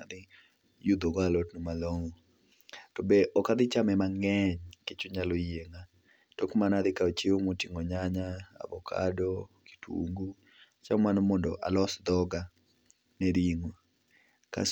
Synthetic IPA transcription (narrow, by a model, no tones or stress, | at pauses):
ad̪ɪ | jud̪oɡalɔtnumaloŋo | tɔbeʔɔkad̪ɪt͡ʃamɛmaŋɛɲket͡ʃʊɲalojeŋa | tɔkmanad̪ɪkaot͡ʃeomotiŋɔɲaɲaa̰bɔkʰa̰dɔki̥tṵŋɡu | t͡ʃamanɔmɔndɔ̰ʔa̰lɔsd̪ɔɡa | nɛɾiŋo | ka̰